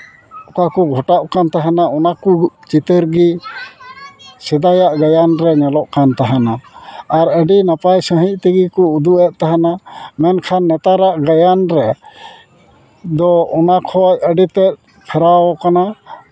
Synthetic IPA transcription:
ɔkakuɡʱɔʈaʔkant̪aɦɛnaɔnakut͡ʃit̪əɾɡi | sɛd̪ajaʔɡajanɾɛɲɛlɔʔkant̪aɦɛnaːɾəɖinapajsə̃ɦic̚ˀt̪iɡikɔud̪uʔɛʔ̪̚t̪aɦɛnamɛnkʰanːɛt̪aɾaʔɡajanɾɛ | d̪ɔɔnakʰɔc̚əɖit̪ɛt̪̚ | pʰɛɾawɔkana

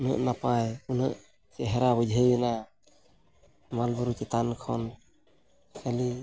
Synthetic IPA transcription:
unə̰ʔnapajunɯʔ | sɛɦɛɾabɔd͡ʒʱəjbina | malbuɾut͡ʃit̪ankʰɔ̰n | kʰali

